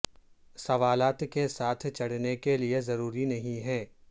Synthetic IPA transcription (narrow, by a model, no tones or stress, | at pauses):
sɐʋaːlaːt̪kesaːt̪ʰt͡ʃɐɽ̤nekeliezɐɾuːɾinɐɦĩɦɛ̃ː